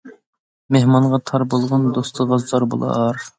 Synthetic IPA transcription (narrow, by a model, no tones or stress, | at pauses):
mehmɑɴʁɑt̪ʰɑɾbolˠʁɑnd̪ost̪ʰəʁɑzd̪ɑɾbo̰lˠɑ̰ɾ